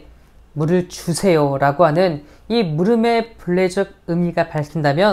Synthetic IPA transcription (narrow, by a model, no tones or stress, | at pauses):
muɾɯɭt͡ɕusʰe̞joɾaɡoɦanɯn | imuɾɯme̞puɭːe̞d͡ʑʌɡ̚ɯmiɡapaɭkʰindamjʌ